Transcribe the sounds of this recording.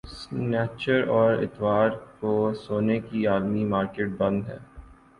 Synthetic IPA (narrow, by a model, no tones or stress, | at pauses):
snɛːt͡ʃəɾɔːɾɪ̰t̪ʋaːɾkosoːnekiaːlmimaːɾkeːʈ̚bɐ̃nd̪ɦɛ̰ː